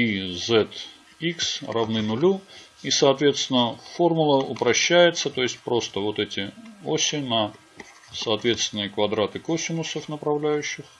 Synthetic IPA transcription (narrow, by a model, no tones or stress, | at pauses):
izɛt̪ | iksrɐvnɨnʊlʲu | isɐːt̪vʲe̞t̪st̪ʲɪnəfo̞rmʊlˠəʊpɾɐɕːæjɪt̪sət̪o̞jɪsʲt̚ʲpɾo̞st̪əvo̞t̪ɛtʲɪosʲɪnɐ | sɐːt̪vʲe̞t̪st̪vʲɪnːɨjəkvɐd̪ɾat̪ɨkosʲɪnʊsəfnəpɾɐvlʲæjʉɕːɪx